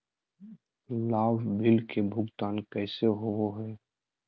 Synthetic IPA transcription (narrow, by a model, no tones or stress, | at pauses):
laːʋbɪlkebʱʊɡt̪aːnkɛːseɦooɦɛː